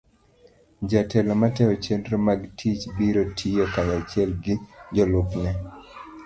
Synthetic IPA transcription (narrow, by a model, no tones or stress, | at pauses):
d͡ʒatɛlɔmatɛɔt͡ʃendɾomaɡtʰit͡ʃbiɾotʰijokanat͡ʃɪɛlɡɪd͡ʒɔlʊpnɛ